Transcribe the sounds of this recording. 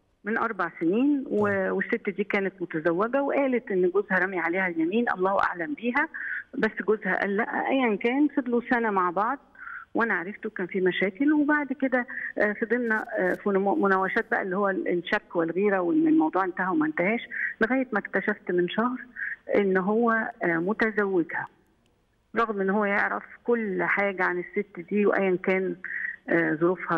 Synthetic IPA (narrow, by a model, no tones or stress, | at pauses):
menʔɑɾˤbɑʕseniːnwewesːet̪ːæd̪iːkæːnet̪mot̪æzæwːeɡæweʔæːlet̪ʔenːɡozhæɾˤɑmjʕaleːhæljæmiːnʔɑ̰lˤːɑːwʔa̰ʕlæmbiːɦæbæsːɡozhæ̰ʔæ̰lːæʔæ̰ʔæjːænkæːnfed̪ˤlusænæmaʕbɑʕd̪̚ˤwʔænæʕaɾˤɑft̪ukæːnfiːmæʃæːkelwebaʕd̪ked̪æfid̪ˤelnæfmʊnæwæʃæːt̪̚bæʔæ̰lːihowːæelʃækːwelɣiːɾæweelmɑwd̪ˤuːʕʔent̪æhæwemæʔent̪æhæːʃleɣæːjet̪mækt̪æʃæft̪menʃɑhɾʔenːɦowːæmot̪æzæwːed̪hæ | ɾˤɑɣmʔenːɦowːæjeʕɾæ̰fkolːħaːɡæʕanesːet̪ːd̪iːwʔæ̰jːænkæːnː | zˤoɾuːfhɑ